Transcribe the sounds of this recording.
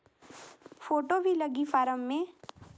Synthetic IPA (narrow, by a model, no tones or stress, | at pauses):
foːʈobʱilɐɡifaːɾəmːẽ